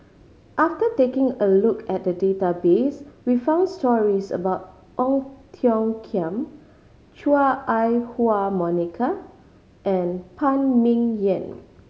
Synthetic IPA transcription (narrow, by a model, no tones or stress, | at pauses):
ʔaftətekɪ̃ŋəlukʰɛt̚dədetabeswifãʊ̃ndstɔɹisə̰baʊt̚ | ʔɔ̃ŋtʰiɔ̃ŋkʰiə̃m | t͡ʃuaʔajhuamɔnikʰa | ʔɛ̃npʰãnmĩŋjɛ̃n